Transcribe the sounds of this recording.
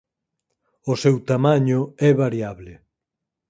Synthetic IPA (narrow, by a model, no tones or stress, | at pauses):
ʊsɛwt̪amaɲʊɛβaɾjaβlɪ